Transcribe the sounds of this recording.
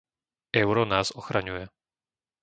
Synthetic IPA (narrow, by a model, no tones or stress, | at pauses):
ɛʊɾɔnaːzɔxɾaɲujɛ